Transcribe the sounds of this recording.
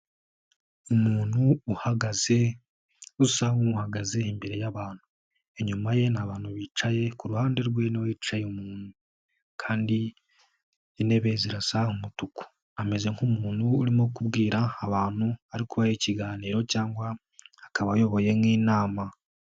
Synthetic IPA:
umuːn̥huːhaɡaze | usaŋuhaɡaze̞imbe̞ɾe̞jaβaːn̥hu | e̞ɲumaje̞naβaːn̥huβiːt͡ʃaje̞kuɾuhaːnde̞ɾɡwe̞newiːt͡ʃajeumuːnhu | kʰaːndi | ine̞βe̞ziɾasahumutuku̥ | ame̞ze̞ŋkumuːn̥huːɾimo̞kubɡiːɾaːβaːn̥uaɾikuβajiciɡaːniːɾo̞caːŋɡwaː | kaβajo̞βo̞je̞mŋiːnaːma

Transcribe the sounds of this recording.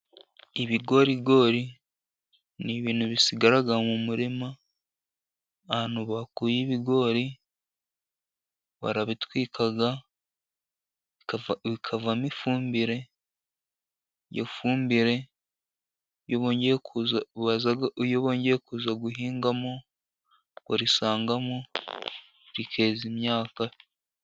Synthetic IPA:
iβiɡo̞ɾiɡo̞ɾi | niβiːn̥huβisiɡaɾaɡamumuɾima | hanuβakujiβiɡo̞ɾi | βa̰ɾaβitwiːkʰaɡa | βikʰavamifuːmbiɾe̞ | jo̰fuːmbiɾe̞ | joβoːɲɟekuzaβazaɡjoβoːɲɟeɾekuːzaɡuɦiːŋɡamo | kaɾisaːŋɡamo | ɾikʰe̞ːzimɲaːka

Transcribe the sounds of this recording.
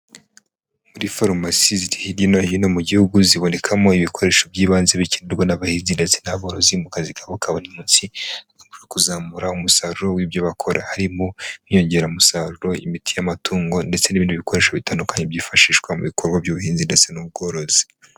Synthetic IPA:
muɾifaɾumasiziɾihiɾjinojino̞muɟihuɡuziβo̞ne̞kʰamo̞iβikʰo̞ɾe̞ːʃo̞bɟiːβaːnzeβiceneɾɡwanaβahizindet͡senaβoɾo̞zimukazikaβokaβonimuːnsiaɡamuɾekuzaːmuɾaumusaɾuɾo̞wiːbjoβakʰo̞ɾʔa̰haɾimonio̞ɲɟe̞ɾamusaɾuɾo̞ḭmitʰijamatʰuːŋɡo̞nde̞t͡seniβindiβikʰo̞ɾe̞ːʃoβitaːndukʰaɲebɟiːfaʃiːʃkwamuβikʰo̞ɾɡwabɟuβuhiːnzinde̞t͡se̞nub̚ɡo̞ɾo̞zi̥

